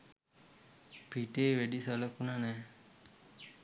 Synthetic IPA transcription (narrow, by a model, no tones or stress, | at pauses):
pʰiʈeːʋeɖisələkunanɛ